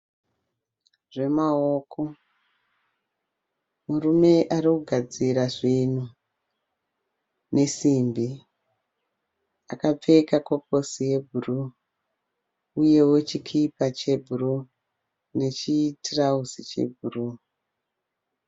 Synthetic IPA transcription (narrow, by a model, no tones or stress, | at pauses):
ʐe̞maoːkʰo̞ | murume̞ʔaɾikuɡʱad͡ziɾaʐinu | ne̞simbi | akap͡fe̞kakok̚o̞sije̞bʱuru | uje̞wot͡ʃikʰipat͡ʃe̞bʱuru | ne̞t͡ʃitirauzit͡ʃe̞̰bʱuru